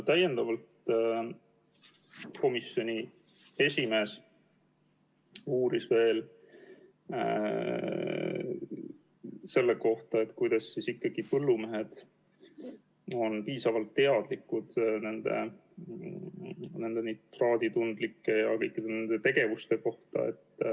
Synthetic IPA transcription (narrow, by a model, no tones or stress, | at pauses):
t̪æje̞nd̪ɑvɑlt̪ | ko̞misjo̞nʲi | e̞sʲime̞ːs | uːɾisve̞ːl | se̞lːeko̞ht̪ɑe̞t̪ːkujd̪̥ɑsːisikːɑɡ̥ipɤlːume̞ɦed̪̥ | o̞npiːsɑvɑlt̪ːe̞ɑd̪̥likːud̪̥ne̞nd̪̥e̞̰ | ne̞nd̪e̞nid̪t̪rɑːd̪̥it̪und̪̥likːe̞jɑkɤ̞jkːˑid̪e̞ne̞nd̪̥e̞t̪e̞ɡe̞vust̪e̞ko̞ht̪ɑ̰ḛt̪ː